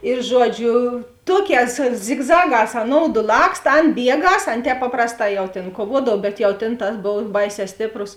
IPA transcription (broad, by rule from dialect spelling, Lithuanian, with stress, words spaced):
ɪr ˈʒuɔˌd͡ʒʲʊ ˈtuɔˌkʲɛːs zʲɪɡˈzɑːˌɡɑːs ɐˈnoːʊdʊ ˈlˠɐkst ˈɐn ˈbʲiɛˌɡɐs ˈɐn ˈtʲɛːp ˈpɑːprɐsˌtɑː jɛʊ ˈtʲeːn kuɔˈʋuɔdɐw ˈbʲɛt jɛʊ ˈtʲeːn ˈtɐs ˈboːw ˈbɐɪˌsʲɛː ˈsʲtʲeːpˌrʊs